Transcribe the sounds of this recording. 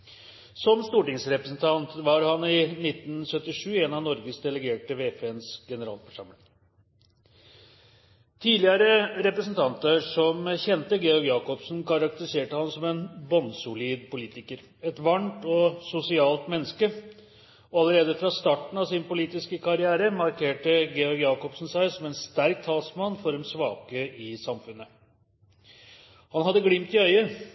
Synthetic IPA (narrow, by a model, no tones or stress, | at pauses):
sɔmst̪uːʈɪŋsɾɛpɾəsn̩t̪ʰɑnt̪ʋɑɾhɑnɪnɪt̪nsœt̪ːɪʂʉːeːnɑʋnɔɾɡəsd̪ɛləɡeːʈəʋeːpʰeɛnsɡ̥ɛnəɾɑ̰ːlfəʂɑmlɪŋ | t̪ʰiːlɪəɾəɾɛpɾəsnt̪ʰɑnt̪əʂɔmçɛnt̪əɡeːɔɡjɑːkɔpsn̩kʰɑɾɑk̚t̪əɾɪseːʈəhɑnsɔmɛnbɔnsʊliːd̪pʊliːt̪ɪkəɾ | ɛt̪ʋɑɳʈɔsʊsɪɑːlt̪mɛnːəskə | ɔɑləɾeːd̪əfɾɑst̪ɑːʈn̩ɑʋsɪnpʊliːt̪ɪskəkʰɑɾɪæːɾəmɑɾkʰeːʈəɡeːɔɾɡjɑːkɔpsn̩sæɪsɔmɛnst̪æɾk̚t̪ʰɑːsmɑnːfɔɾɛnsʋɑːkəʔɪsɑmfʉnːə | hɑnɦɑd̪ːəɡɽɪmt̪ɪœʏə